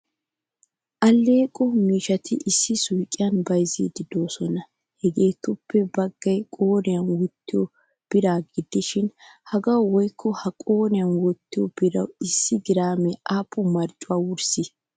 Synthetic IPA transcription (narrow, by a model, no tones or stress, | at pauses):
ʔɐlːeːkʼɔmiːʃɐt̪ʰɪʔɪsːɪsʊjkʼːɪjɐnbɐjzḭd̪ɪd̪o̞ːsɔnɐ | hɛɡe̞ːt̪ʊpːɛbɐɡːɐjkʼoːnɪjɐnwɔt̪ːɪjɔ | b̥ɪɾaːɡɪd̪ɪʃɪnhɐɡɐwwɔjkʰːɔhɐkʼo̞ːnɪjɐnwɔt̪ːɪjɔb̥ɪɾɐ̰wɪsːɪɡ̪ɪɾaːmɛʔaːpːʊmɐɾt͡ʃʼʊwaːwʊɾsɪ